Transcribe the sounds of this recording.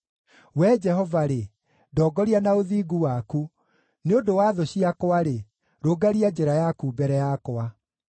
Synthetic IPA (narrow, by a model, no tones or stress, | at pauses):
wɛd͡ʒɛɦɔvaɾe | dɔːɡɔɾianaoðiːɡuwaku | neodowaðoɕiakowaɾe | ɾoːɡaɾiad͡ʒeɾajakubɛɾɛjakoa